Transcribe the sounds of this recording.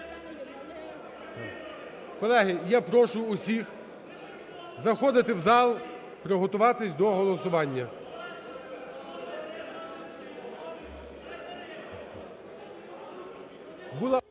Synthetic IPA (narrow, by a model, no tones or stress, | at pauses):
kɔlˠɛɦɪjapɾɔʃʊːsʲix | zɐxɔd̪ɪt̪ɪwzɑlˠ | pɾɪɦɔt̪ʊʋɑt̪ɪsʲd̪ɔɦɔlˠɔsʊʋɑnʲːɐ | bʊlˠɑ